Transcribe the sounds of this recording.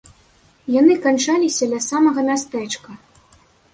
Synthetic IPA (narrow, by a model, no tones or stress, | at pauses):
janɨkant͡ʂalʲisʲɐd̪lʲɐsamɐɣɐmʲast̪ɛt͡ʂkɐ